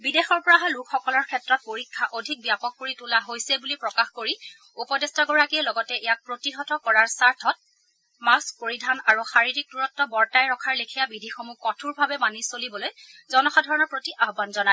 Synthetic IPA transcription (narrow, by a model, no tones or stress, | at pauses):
bidexɔɹpɔɹaɦalukʰxɔkɔlɔɹkʰɛtɹɔt̚poɹikʰːaʔodʱik̚bijapɔk̚ːoɹitulaɦojsɛbulipɹɔkaxkoɹi | upɔdɛstaɡɔɹakiɛlɔɡɔtɛɛjak̚pɹotiɦɔtɔkɔɹaɹsaɹtʰɔt̚ | maspoɹidʱanaɹuxaɹiɹik̚duɹɔtːɔbɔɹtajɹɔkʰaɹlekʰijabidʱixomukɔtʰuɹbʱabɛmanisolibɔloj | zɔnɔxadʱɔɹɔnɔɹpɹotiʔaɦbanzɔnaj